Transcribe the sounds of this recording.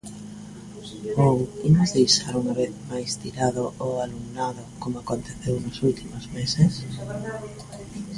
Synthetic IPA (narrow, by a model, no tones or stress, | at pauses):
owimʊzðejʃaɾuŋaβeθmajst̪iɾaðʊʔoaluŋnaðʊkomoakont̪eθewnʊsult̪imʊzmeses